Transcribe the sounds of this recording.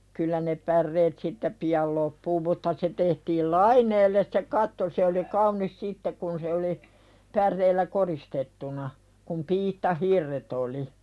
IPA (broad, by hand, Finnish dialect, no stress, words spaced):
kylːæ ne pærːeːt siːtːæ piɑl lopːuː mutːɑ se tehtiːl lɑinˑeːlːes se kɑtːo se oli kɑunˑis sitːek kun se oli pærˑeilːæ koristetːunɑ kum piːtːɑhirːet oli